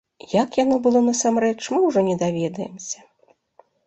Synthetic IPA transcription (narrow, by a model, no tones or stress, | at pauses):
jakjanɔbɨlˠɔnɐsamɾɛt͡ʂmɨwʐɔnʲɛd̪avʲɛd̪ɐjɛ̰msʲɐ̥